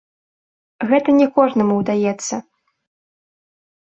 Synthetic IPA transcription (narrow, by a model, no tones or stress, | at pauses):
ɣɛt̪ɐnʲɛkɔʐnɐmuwd̪ajɛt̪sːɐ